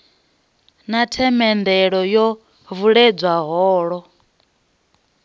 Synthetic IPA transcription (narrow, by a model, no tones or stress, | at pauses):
natʰɛmɛnd̪ɛɺɔjɔ | vuɺɛd͡zwaɦɔːɺɔ